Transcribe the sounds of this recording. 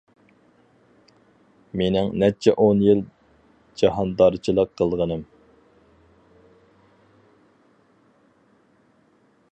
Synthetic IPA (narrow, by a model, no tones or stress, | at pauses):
menɪŋnɛt͡ʃʰɛʔonjil | d͡ʒɑɦɑnd̪ɑɾt͡ʃʰilˠəqʰːəlˠʁənɨm